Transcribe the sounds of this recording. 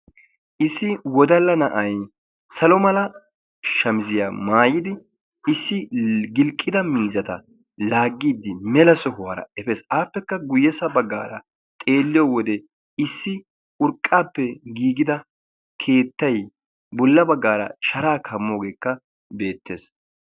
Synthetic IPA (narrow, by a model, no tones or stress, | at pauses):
ʔɪsːɪwɔd̪ɐlːɐnɐʔɐj | sɐlɔmɐlɐ | ʃɐmɪzɪjaːmaːjɪd̪ɪ | ɪsːɪɡɪlkʼːɪd̪ɐmiːzɐt̪ɐ̰ | laːɡːiːd̪ːɪmɛlɐsɔhʊwɐɾɐ̰ɛfeːsaːpːɛkːɐɡʊjːɛsɐbɐɡːa̰ːɾɐ | t̪ʼe̞ːlːɪjɔwɔd̪ɛ | ɪsːɪ | ʊɾkʼːaːpːɛɡiːɡɪd̪ɐ | kʰe̞ːt̪ːɐj | bɔlːɐbɐɡːaːɾɐ̰ʃɐɾaːkʰɐmːoːɡeːkːɐ | be̞ːt̪ːeːs